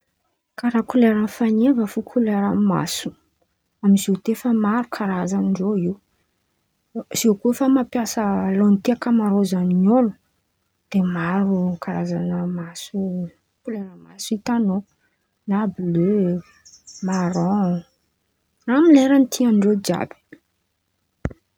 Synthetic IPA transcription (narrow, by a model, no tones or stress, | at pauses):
kaɾakuleɾanfanevəfukʰuleɾama̰su̥ | amizet̪efəmaɾukʰaɾazanɳɖ͡ʐoiw | z̥ewkufəmapjasəlonit̪iakəmaɾozaninolu | d̪̥emaɾukʰaɾazanəmasu | kuleɾamasuit̪ano | nablø | maɾɔ | namileɾant̪ʰianɖ͡ʐod͡ʒa̰b̥i̥